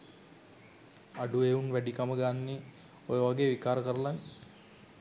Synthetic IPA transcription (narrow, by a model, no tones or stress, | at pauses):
aɖueunʋæɖikaməɡanːe | ojəʋaɡeːʋikaːɾəkəɾəlaŋ